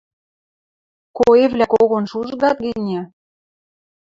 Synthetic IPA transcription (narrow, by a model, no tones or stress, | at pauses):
koevlækoɣonʃuʒɣɑt̪̚ɡɘnʲæ